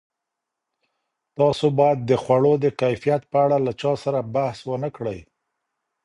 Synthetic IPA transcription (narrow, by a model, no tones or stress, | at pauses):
t̪ɑsobɑjad̪ːəxwaɽod̪əkajfijat̪̚pəaɽalat͡ʃɑsaɾabahswənəkɽəj